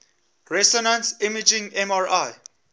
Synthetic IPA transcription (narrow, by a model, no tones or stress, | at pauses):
ɹɛsɔnãnsimid͡ʒĩŋɛ̃maɹaj